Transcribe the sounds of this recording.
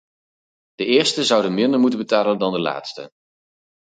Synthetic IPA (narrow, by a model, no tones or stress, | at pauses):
d̥əɪːɹstəzʌwdənmɪndəɹmutənbətaːləndɑndəla̰ːtstə̰